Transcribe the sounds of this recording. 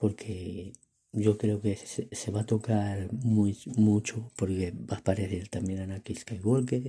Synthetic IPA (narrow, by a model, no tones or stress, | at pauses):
po̞ɾkʰe | ʝo̞kɾe̞okesese̞βat̪o̞kaɾmumut͡ʃopoɾke̞bapaɾeθeɾt̪amjenanakiskajɣolke